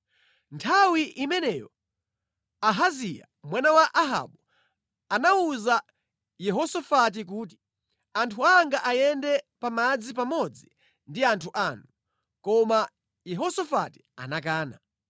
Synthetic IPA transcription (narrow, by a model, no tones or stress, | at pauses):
ntʰawiʔimɛnɛjɔ | aɦazija̰ | mwanawaʔaɦa̰ɓu | anauza | jɛɦɔsɔfat̬ik̬uːti̥ | antʰuaŋɡaʔajɛndɛpamad͡zipamɔd͡zi | ndiantʰuʔanu | kɔma | jɛɦɔsɔfa̰ti̥a̰nak̬aːna